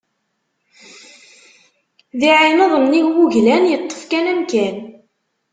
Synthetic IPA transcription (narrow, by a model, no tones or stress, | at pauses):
ðiʕinəðˤənːiʝwuʝlænjət̪ˤːə̥fkænæmkæn